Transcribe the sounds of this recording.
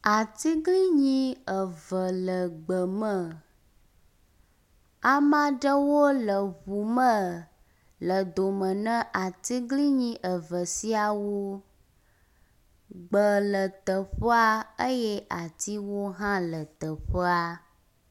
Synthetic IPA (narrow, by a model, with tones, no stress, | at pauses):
a˨t̪i˦ɡli˦ɲĩ˦ə˨və˨lə˨ɡ͡bə˨mə˨ | a˨mã˦ɖə˦wo˦lə˨βu˨mə̃˦ | lə˨d̪o˨mə̃˨nə̃˦ʔa˨t̪i˦ɡli˦ɲĩ˦ʔə˨və˨si˦a˨wo˦ | ɡ͡bə˨lə˨t̪ə˨ɸə˦a˦ə˦jɛ˦ʔa˨t̪i˦wo˦ɦã˦lə˨t̪ə˨ɸə˦a˦